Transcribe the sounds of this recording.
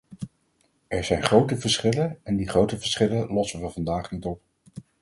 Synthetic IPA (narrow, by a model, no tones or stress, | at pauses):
ɛɹzɛjnχrowtəvəɹsχɪlənɛndiχrowtəvəɹsχɪləlɔsəvɑvɑndaːχnitɔp̚